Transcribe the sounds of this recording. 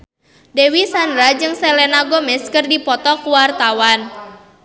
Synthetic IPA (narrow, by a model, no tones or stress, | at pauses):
dewisandɾad͡ʒɨŋsɛlɛnaɡomɛskərdipɔt̪ɔkuwart̪awan